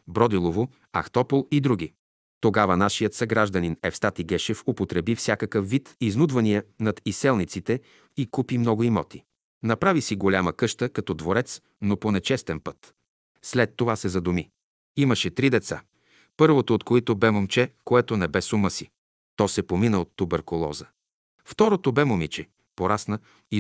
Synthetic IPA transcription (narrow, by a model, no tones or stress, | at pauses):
bɾɔd̪ilˠovo | ɐ̰xt̪ɔpolˠid̪ɾuɡ̟i | t̪oɡavɐnaʃijət̪sɐɡɾaʒd̪ɐninɛfst̪at̪iɡɛʃɛfopot̪ɾɛbifsʲjakɐkəfːit̪iznud̪vɐniɛnɐt̪isɛlˠnit̪sit̪ɛ | ikupimnɔɡʊimɔ̰t̪i | nɐpɾavisiɡolʲaməkɤʃt̪əkɐt̪ɔd̪voɾɛt̪s | noponɛt͡ʃɛst̪ɛnpɤt̪ | slɛt̪ːovasɛzɐd̪umi | iməʃɛt̪ɾid̪ɛt̪sa̰ | pɤɾvot̪oːt̪koit̪obɛmomt͡ʃɛkoɛt̪onɛbɛsuməsi | t̪ɔsɛpominəot̪ːobɛɾkʊlˠɔ̰zə | ft̪ɔɾot̪obɛmomit͡ʃɛ | poɾasnə | i